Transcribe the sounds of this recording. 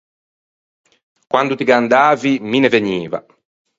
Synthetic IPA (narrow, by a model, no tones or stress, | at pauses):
kwand̪ut̪iɡand̪aːvimineveɲiːva̰